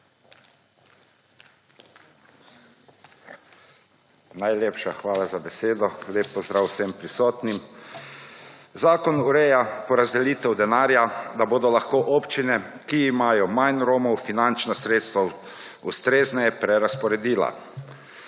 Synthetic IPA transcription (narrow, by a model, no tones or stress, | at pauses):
najleːpʃaxʋaːlazabɛseːd̪ɔleːpːɔzd̪ɾaːwsɛmpɾisɔːt̪nim | zaːkɔnuɾɛjapɔɾazd̪ɛliːt̪ɛwd̪ɛnaːɾjad̪aboːd̪ɔlaxkoːʔɔːpt͡ʃinɛkiːmajɔmajnɾoːmɔwfinant͡ʃnasɾeːt̪st̪ʋa | ust̪ɾeːznɛjɛpɾɛɾaspɔɾɛd̪iːla̰